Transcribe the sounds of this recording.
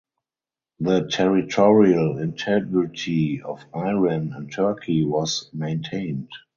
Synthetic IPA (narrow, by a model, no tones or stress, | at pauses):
ðətʰɛɹitʰɔɹiəlɪ̃ntʰɛɡɹɪtʰiɔfaɪɹə̃næ̃ntʰɜ˞kʰiwɔsmẽɪ̃ntʰẽɪ̃nt